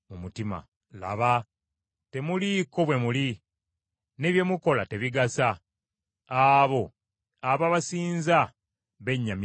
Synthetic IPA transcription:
mumutima̰ | la̰βa | te̞muliko̞βwe̞muli | ne̞βje̞muko̞late̞βiɡasa | aβo̞ | aβaβasiːnza | βe̞ɲːam

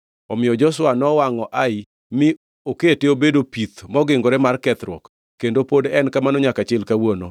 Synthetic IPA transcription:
ɔmɪɔd͡ʒɔswanɔwaŋɔʔaɪ | mɪ | oketeobedopit̪mɔɡɪŋɡoɾɛmarkɛt̪ɾwɔ̰k | kːendopodɛnkamanɔɲakat͡ʃɪlkawono

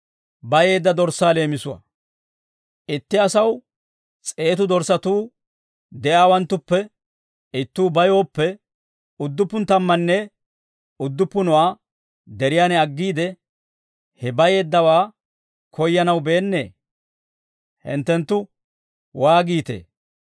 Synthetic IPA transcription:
bɐje̞ːd̪ːɐd̪ɔɾsaːle̞ːmɪsʊwɐ̰ | ʔɪt̪ːɪɐsɐw | t͡sʼe̞ːt̪ʊd̪ɔɾsɐt̪uː | d̪ɛʔaːwɐnt̪ːʊpːɛ | ɪt̪ːuːbɐjo̞ːpːɛ | ʊd̪ːʊpːʊnt̪ɐmːɐnːɛ | ʊd̪ːʊpːʊnʊwaː | d̪ɛɾɪjaːnɛɐɡːiːd̪ɛ | hɛbɐje̞ːd̪ːɐwaː | kʰɔjːɐnɐwbe̞ːnːe̞̰ː | hɪ̰nt̪ːɛnt̪ːʊ | waːɡiːt̪ḛː

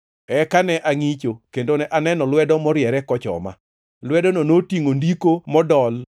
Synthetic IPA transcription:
ɛkanɛʔaŋit͡ʃokendonɛʔanɛnɔlwɛdɔmɔɾjɛɾɛkɔt͡ʃɔ̰ma̰ | lwɛdɔnonotiŋondikomɔdɔl

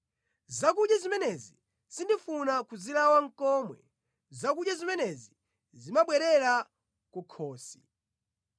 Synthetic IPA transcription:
zakuɗjazimɛnɛzi | sindifunakuzilawaŋ̩kɔːmwɛ̰ | zakuɗjazimɛnɛzi | zimaɓwɛɾɛɾa | kukʰɔːsi

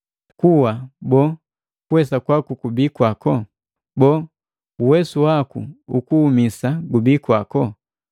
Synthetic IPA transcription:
kuwabɔ | kuwɛsakwakukubikwakɔ | bɔː | uwɛsuwakṵukuːmisaɡubikwakɔ

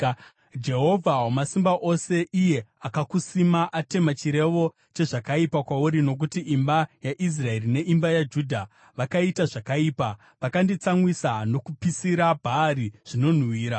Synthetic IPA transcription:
d͡ʒe̞ɦo̞vʱawomasimbaʔose̞ʔije̞akakusimaʔate̞mat͡ʃiɾe̞ʋo̞ | t͡ʃe̞ʐakaipakwauɾino̞k̬utiimbajaʔis̬rae̞rine̞ʔimbajad͡ʒudʱa | ʋakaitaʐakaiːpa | ʋakandit͡samwisano̞kupisiɾabʱaːɾiʐ̥ino̞n̤wiːɾa

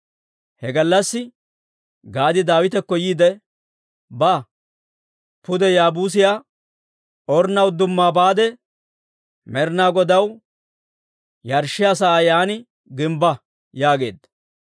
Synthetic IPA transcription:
hɛɡɐlːɐsːɪ | ɡaːd̪ɪd̪aːwɪt̪ɛkːɔjiːd̪ɛ | bɐ | pʊd̪ɛjaːbuːs̬ɪjaː | ɔɾnɐwd̪ʊmːaːbaːd̪ɛ | mɛɾnaːɡɔd̪ɐw | jɐɾʃːɪɐsaːjaːnɪ | ɡɪmbɐ | jaːɡe̞ːd̪ɐ

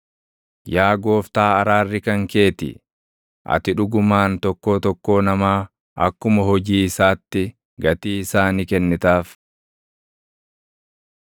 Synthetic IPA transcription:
jaːɡo̞ːft̪aːɐɾaːrːɪkɐŋke̞ːt̪ɪ̰ | ʔɐ̰t̪ɪᶑʊɡʊmaːnt̪ɔkːo̞ːt̪ɔkːo̞ːnɐmaː | ʔɐkːʊmɐɦɔd͡ʒiːɪsaːt̪ːɪ | ɡɐt̪iːɪsaːnikɛnːɪt̪aːf

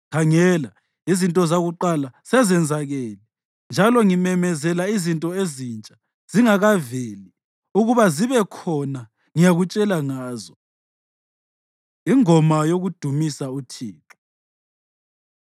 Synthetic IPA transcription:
kʰaŋɛːla | izintʼɔzaɣuǃalasɛzɛnd͡zʱaɣelɛ | nd͡ʒʱalɔŋimɛmɛzɛlaizintʼɔezint͡ʃʼḁ | z̥iŋaɣaveli | uɣuβaziβɛkʰɔna | ŋijaɣut͡ʃʼɛlaŋaːzɔ | iŋɔmajoɣud̥ʱumisautʰiːǁu̥

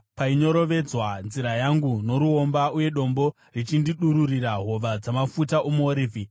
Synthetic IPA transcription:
paiɲo̞ɾo̞ʋe̞d͡zwanziɾajaŋɡuno̞ɾuo̞mbauje̞ɗo̞mbo̞ | rit͡ʃindiɗuɾuriɾaɦo̞ʋad͡zamafutaʔomuoɾiːvʱi

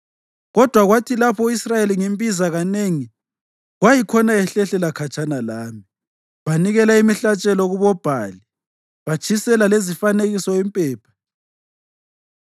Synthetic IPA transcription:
ɣɔd̥ʱwaɣwatʰilapʰɔuisrajeliŋembʼizaɣaneŋi | ɣwajikʰɔnaɛɬɛɬɛlakʰat͡ʃʰʼanalaːmi | βaniɣɛlaimiɬat͡ʃʼɛlɔɣuβɔb̥ʱaːli | βat͡ʃʰisɛlalezifaneɣisɔimpʼɛːpʰḁ

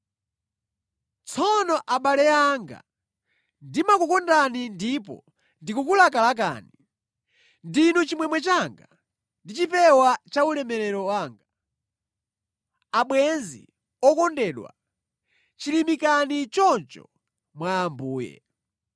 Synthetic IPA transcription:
t͡sʰɔnɔʔaɓalɛaŋɡa̰ | ndimakukɔndanindipɔ̰ | ndikukulak̬alak̬a̰ːni | ndinut͡ʃimwɛmwɛt͡ʃaŋɡa | ndit͡ʃipɛwat͡ʃaulɛmɛɾɛɾɔwaːŋɡa | aɓwɛnzḭ | ɔkɔndɛːɗwa̰ | t͡ʃilimikanit͡ʃɔnt͡ʃɔ̰ | mwaːmbuːjɛ̰

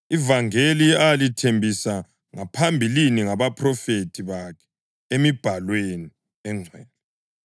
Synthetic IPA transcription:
ivaŋeliajalitʰembʱisa | ŋapʰambʱiliniŋaβapʰʼrɔfetʰiβakʰɛ̥ | emib̥ʱalweni | ɛŋ͡ǀʱwɛːlɔ

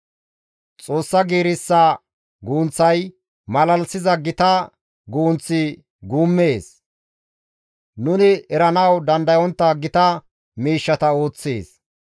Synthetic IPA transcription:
t͡sʼo̞ːsːɐɡiːɾɪsːɐ | ɡuːnt͡sːɐj | mɐlɐlsɪzɐɡɪt̪ɐ | ɡuːnt͡sːɪ | ɡuːmːeːs | nʊnɪɛɾɐnɐwd̪ɐnd̪ɐjɔnt̪ːɐɡɪt̪ɐ | miːʃːɐt̪ɐo̞ːt͡sːḛːs

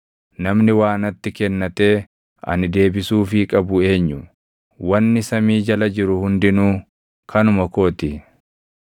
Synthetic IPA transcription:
nɐmnɪwaːnɐt̪ːɪkɛnːɐt̪e̞ː | ɐ̰nɪd̪e̞ːbɪsuːfɪkʼɐbʊe̞ːɲːʊ | wɐnːɪsɐmiːd͡ʒɐlɐd͡ʒɪɾʊhʊnd̪ɪnuː | kʰɐnʊmɐko̞ːt̪ɪ

